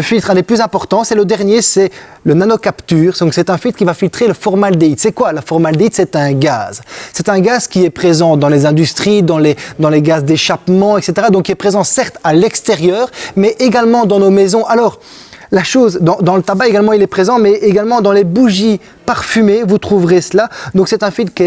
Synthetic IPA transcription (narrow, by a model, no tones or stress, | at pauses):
əfilt̪χɛ̃d̪eplyzɛ̃pɔʁt̪ɑ̃sɛləd̪ɛʁnjesɛ | lənanɔkapt̪yːʁsɔ̃ksɛt̪ɛ̃filt̪χkʲivafilt̪χeləfɔʁmald̪eit̪sɛkwaləfɔʁmald̪eit̪sɛt̪ɛ̃ɡa̰ːzsɛt̪ɛ̃ɡazkʲiɛpχezɑ̃d̪ɑ̃lezɛ̃d̪yst̪χid̪ɑ̃lɛd̪ɑ̃lɛɡazd̪eʃapmɑ̃ɛkset̪eʁad̪ɔ̃kiɛpχezɑ̃sɛʁt̪alɛkst̪eʁjœːʁmɛʔeɡalmɑ̃d̪ɑ̃nomɛzɔ̃ʔalɔːʁ | laʃoːzd̪ɑ̃d̪ɑ̃lət̪abaeɡalmɑ̃ilɛpχezɑ̃mɛʔeɡalmɑ̃d̪ɑ̃lebuʒi | paʁfymevut̪χuvʁesəlad̪ɔ̃ksɛt̪ɛ̃fit̪kɛ